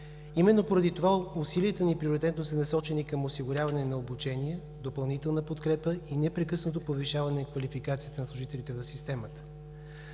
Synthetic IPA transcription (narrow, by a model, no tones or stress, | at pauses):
imɛnːopoɾɐd̪it̪ovausiliət̪ənipɾioɾit̪ɛt̪nosənɐsɔt͡ʃɛnikəmosiɡʊɾʲavɐnɛnɐobut͡ʃɛnijɛ | d̪opɐlˠnit̪ɛlˠnəpot̪kɾɛpəinɛpɾɛkɤsnot̪opoviʃavɐnɛkvɐlifikat̪sijət̪ənɐslˠʊʒit̪ɛlit̪ɛvɐfsist̪ɛmət̪ə̥